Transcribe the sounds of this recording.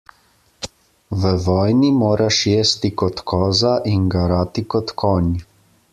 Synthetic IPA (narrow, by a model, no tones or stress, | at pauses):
ʋəʋɔːjnimoːɾaʃjeːst̪ikɔt̪kʰɔːzaʔinɡaɾaːt̪ikɔt̪kʰɔːnʲ